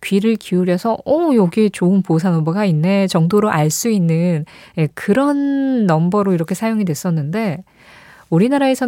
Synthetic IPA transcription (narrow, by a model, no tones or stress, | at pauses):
kɥiɾɯɭkiuɾjʌsʰʌʌjoɡiet͡ɕoɯnposʰanʌmbʌɡainːet͡ɕʌŋdoɾoʔaɭs͈uinːɯnekɯɾʌnːʌmbʌɾoiɾʌkʰe̞sʰajoŋidwe̞s͈ʌnːɯnde̞ | uɾinaɾae̞sʰʌ